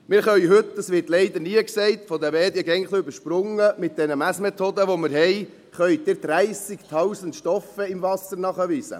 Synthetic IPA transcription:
mɪːɾχœʏɦɵt̪ːəsʋɪɾtlɛɪd̪əɾniəksɛɪt̪fɔd̪ɛvɛːd̪jəɡɛŋχliʏbəɾʃpɾʊŋːəmɪt̪̚d̥ɛnəmæsmet̪ʰoːd̪əʋomɪɾɦɛɪ | χœʏd̥̪ɪɾd̪ɾæɪsɪkt̪ʰɑwsəntʃtɔfəɪmvɑsəɾnɑχəʋiːsə̰

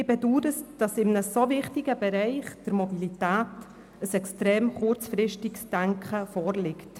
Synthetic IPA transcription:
ɪbɛduːtətd̥ɑsɪmnəsovɪχtiɡəbɛɾɛɪχd̥əɾmɔbilitæːt | əsɛkstɾeːmχʊɾt͡sfɾɪʃtɪksd̥æŋkχəfɔːɾlɪkt

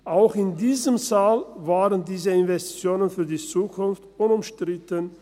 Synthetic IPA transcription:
ʔaʊxɪndiːzəmzaːlvaːʁəndiːzəɪnvɛstt͡sjoːnənfyːɐdiːt͡suːkʰʊnftʔʊnʊmʃtʁ̥ɪtən

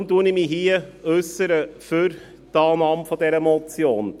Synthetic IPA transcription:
mtuənɪmiɦiəœsəɾəfʏɾ | dɑːnɑːmfɔdɛɾəmɔt͡sjoːn

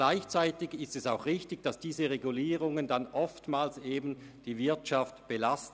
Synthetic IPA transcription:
laɪçt͡saɪtɪɡɪstɛsaʊxʁɪçtɪçd̥asd̥iːzəʁeɡuliːʁʊŋəndanʔɔftmaːlseːbn̩ | d̥iːvɪɐtʃaftb̥əlast

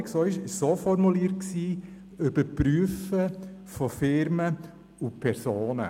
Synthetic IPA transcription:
ksoːɪʃɪsoːfɔɾmuliəɾt̚ksiː | ʏb̥əɾpɾyəfəfɔfɪɾmə | upʰɛɾsoːnə̰

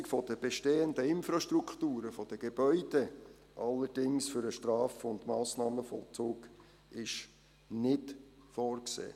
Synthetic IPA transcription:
ɪkfɔd̥əb̥eʃteːənd̪əɪnfɾɑʃt̪ɾukχt̪uːɾəfɔd̥əɡ̥ebœʏde | ʔɑlːəɾd̥ɪŋsfʏɾəʃtɾɑːfʊndmɑːsnɑːməfɔ̰lt͡suːɡ | ɪʃ | nɪt | fɔːrksḛː

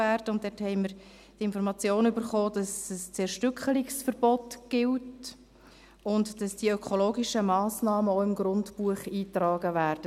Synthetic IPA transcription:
æːɾd̥əʊntd̥ɛthɛɪməɾ | tɪnfɔɾmɑt͡sjoːnʏbəɾχoːd̥ɑsəst͡sɛɾʃtʏkχəliksfəɾb̥ɔtɡ̥ɪlt | ʊntd̥ɑsd̥iəœkʰχoloːɡiʃəmɑːsnɑːməoʊɪmɡɾʊntpuəχiːtrɑːɡəvæːɾd̥ə

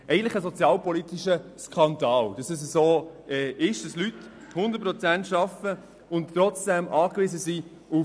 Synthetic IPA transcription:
ʔɛɪəntlɪχəsɔt͡sjɑːlpɔlit̪iʃəskʰɑndɑːld̥ɑsɛs̬əzoːɛːɪʃd̥ɑslythʊnd̪ət̚pɾɔt͡sæntʃɑfə | ʊntɾɔt͡sd̥ɛmʔɑːkvɪzəzi | u

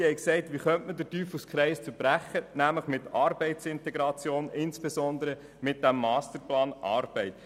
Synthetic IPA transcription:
hɛɪksɛɪtʋiχœntmədətyːfuskχɾɛɪst͡səɾb̥ɾæχːənæmləχmɪtɑːɾbɛɪtsɪntɛɡɾɑt͡sjoːnɪnsb̥esɔnd̪əɾə | mɪt̚d̥æmːɑːstəɾplɑːnʔɑːɾb̥ɛɪt

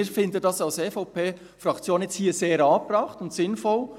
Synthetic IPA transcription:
ɾfɪndədɑsɑlseːfɔʊpʰeː | fɾɑkt͡sjoːnjɛt͡sthiːseːɾɑːprɑχtʊntsɪnfɔl

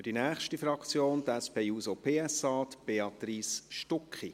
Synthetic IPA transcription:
fyd̥inæːχʃtifɾɑkt͡sjoːnt̪æspʰeːuːsopʰeːɛsɑːt̪b̥eɑt̪ɾiːsʃtʊkχi

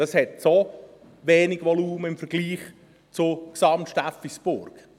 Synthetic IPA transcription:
d̥ɑshɛtso | ʋeːnɪɡʋɔluːməɪmfəɾɡ̥liːχ | t͡sʊksɑmtʃtafisb̥ʊɾɡ̥

